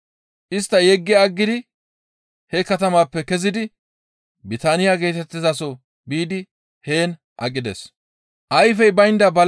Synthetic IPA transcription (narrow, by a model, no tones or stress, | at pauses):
ʔɪst̪ːɐjɛɡːɪɐɡːɪd̪ɪ | hɛkɐt̪ɐmaːpːɛkɛzɪd̪ɪ | bɪt̪aːnɪjaɡe̞ːt̪ɛt̪ːɪzasɔ | biːd̪ɪ | he̞ːn | ʔɐkʼɪd̪ɛ̰s | ʔɐjfɛjbɐjnd̪ɐbɐl